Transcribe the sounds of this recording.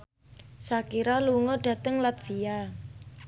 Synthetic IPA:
sakiɾaluŋɔɖ̥ä̤t̪əŋlat̪̚v̥ia

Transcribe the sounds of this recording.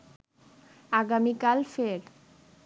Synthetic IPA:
aɡamikalfeɾ

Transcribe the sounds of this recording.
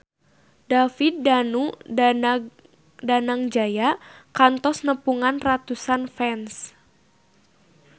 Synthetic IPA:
dafit̪̚ːanu | danaŋd͡ʒajakant̪ɔsnəpuŋanrat̪usanfɛns

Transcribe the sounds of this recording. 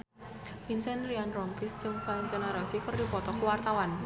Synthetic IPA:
finsɛnrɾianrɔŋpist͡ʃɨŋfalind͡ʒenaɾɔsikərdipɔt̪ɔkuwart̪awan

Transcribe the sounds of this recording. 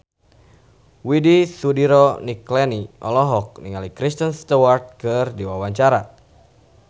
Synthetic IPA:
widisudiɾɔniklɛniʔɔlɔɦɔk̚niŋalikɾist̪ənst̪uwart̪̚kɨrdiwawaɲt͡ʃaɾa

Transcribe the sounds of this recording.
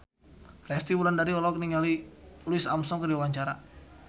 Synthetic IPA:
rɛst̪iwulandaɾiɔlɔk̚niŋaliluisamsɔŋkəɾiwawaɲt͡ʃaɾa̰

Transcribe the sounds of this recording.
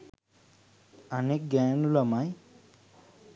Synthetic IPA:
ɐnek̚ɡaːnulɐmaj

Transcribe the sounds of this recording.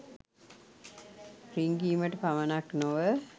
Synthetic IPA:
riŋɡiːməʈəpaʋənaknoʋə

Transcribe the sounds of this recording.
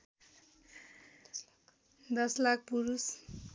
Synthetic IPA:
d̪ʌslak̚ʰpuɾus

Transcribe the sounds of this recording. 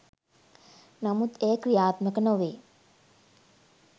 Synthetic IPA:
namut̪eːəkɾijaːt̪məkənoʋeː

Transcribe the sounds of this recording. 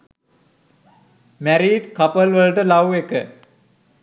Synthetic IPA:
mæɾiːɖkapəlʋəlʈəlawekə

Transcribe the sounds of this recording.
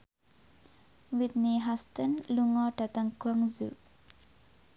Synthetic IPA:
wit̪niɦast̪ənluŋɔɖ̥at̪aŋɡ̥waŋzṵ

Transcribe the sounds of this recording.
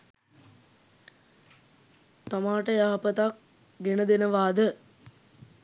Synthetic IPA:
t̪amaːʈəjaːpət̪ak̚ | ɡenəd̪enəʋaːd̪ə

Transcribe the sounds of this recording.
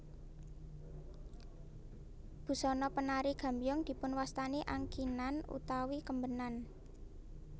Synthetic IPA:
b̥ṳsɔnɔpənaɾiɡ̥a̤mbijɔŋd̪̥i̤pʊnwast̪aniʔaŋkinanṵt̪awikəmbənan

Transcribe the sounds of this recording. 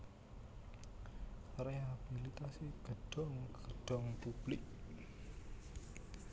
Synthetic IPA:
reɦabilit̪asiɡ̥əɖ̥ɔŋɡ̥əɖ̥ɔŋpub̥lɪk̚

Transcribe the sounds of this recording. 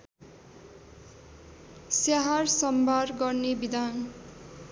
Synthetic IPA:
saɦarsʌmbʱarɡʌrnebid̪ʱan

